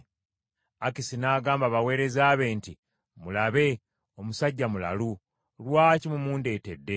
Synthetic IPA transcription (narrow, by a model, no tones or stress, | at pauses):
akisinaːɡaːmbaβawe̞ːɾe̞zaːβe̞ːnti | mulaβe̞ | o̞musaɟːamula̰lu | lwaːcimumuːnde̞ːte̞dːe̞